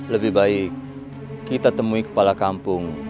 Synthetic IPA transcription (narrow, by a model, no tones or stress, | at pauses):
ləbɪhbaɪkː | it̪at̪əmuikə̥palakampʊŋ